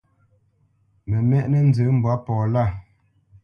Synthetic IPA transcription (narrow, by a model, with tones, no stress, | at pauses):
mɛ˨mɛ˦ʔnɛ˦n̩˦zə˨˦m̩˨bwa˨˦pɔː˨la˦˨